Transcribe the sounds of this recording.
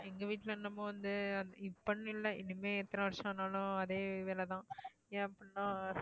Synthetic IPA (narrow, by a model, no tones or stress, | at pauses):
ɛŋɡɐʋiːʈːlɐnːɐmːɐ̃ʋɐnd̪ɯɐɪpːɐɳ̃ːɪlːɐɪ̰nːɪmeːɛt̪ːɐnɐʋɐɾʂɐ̃nːaːlʊ̃ɐðeːʋeːlɛt̪ãː | jẽːɐpːɐnːãː